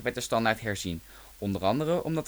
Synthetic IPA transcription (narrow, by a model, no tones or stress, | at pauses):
ʋɛtəstɑndaɹtɦɛɹzin | ɔndərɑndərəʔɔ̰mdɑt